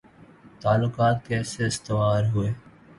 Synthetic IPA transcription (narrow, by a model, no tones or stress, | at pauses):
t̪aːlːʊkaːt̪kɛːseːɪst̪ɪʋaːɾɦʊeː